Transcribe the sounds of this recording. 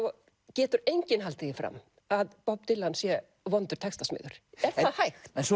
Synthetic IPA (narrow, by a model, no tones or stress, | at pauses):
cɛːt̪ʏɾejɲcɪnɦalt̪ɪðɪfɾa̰m | aðpɔp̚t̪ɪlːansjɛ | vɔnt̪ʏɾ̥t̪ʰɛkst̪asmɪ̰ðʏɾ̥ɛɾ̥θahajxt̪ɛns